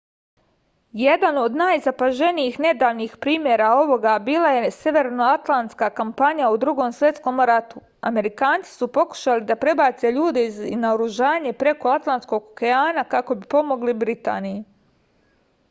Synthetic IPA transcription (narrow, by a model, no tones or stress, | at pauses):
je̞d̪ano̞d̪naːjzapaʒe̞nijixne̞d̪aːʋniːxpɾiːmjeɾao̞ʋo̞ɡabiːlˠaje̞sje̞ʋe̞ɾno̞at̪lˠant̪skaːkampaɲaud̪ɾuɡo̞msʋje̞t̪sko̞mɾat̪u | a̰me̞ɾikaːnt̪si̥supo̞ku̥ʃalid̪apɾe̞baːt̪se̞ʎuːd̪e̞iznaoɾuʒaːɲe̞pɾe̞ko̞at̪lˠant̪sko̞ɡ̚koke̞aːnakako̞bipo̞mo̞ɡlibɾit̪a̰ːniji